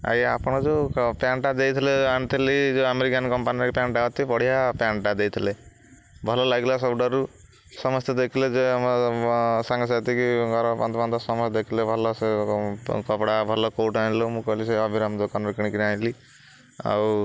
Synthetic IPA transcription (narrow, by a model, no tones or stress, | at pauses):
a̰japɔɽ̃ɔd͡ʒepjaɳʈad̪ejt̪ʰileant̪ʰilid͡ʒeameɾikankɔmpaniɾkepjaɳʈaɦɔt̪ʰipɔɽ̤iɦapjaɳʈad̪ejt̪ʰile | bʱɔlɔlaɡlasɔbɖɔɾu | sɔmɔst̪jd̪ekʰiled͡ʒeam | saŋɡɔsat̪ikiɡɔɾɔpand̪ɔpand̪ɔsɔmɔsd̪ekʰilebʱɔlɔse | kɔpɽabʱɔlɔkoʈaĩlomũkɔɦliseɔbʱiɾamd̪okanɾikɽ̃ikinajli | a̰w